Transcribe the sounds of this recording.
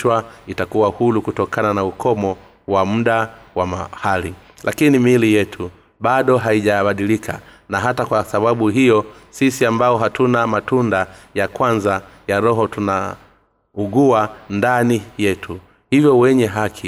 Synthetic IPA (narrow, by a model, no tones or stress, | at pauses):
waitakuwahulukutɔkananaukʰɔmɔ | wam̩ɗawamahali | lʔakinimilijɛtʰu | ɓaɗɔɦaiʄaɓaɗilikʰa̰ | naɦatakwasaɓaɓuɦijɔsisiambaɔɦatunamatundajakwanzajaɾɔɦɔtuna | uɡuwandanijɛtʰu | hivjɔwɛɲɛɦakʰi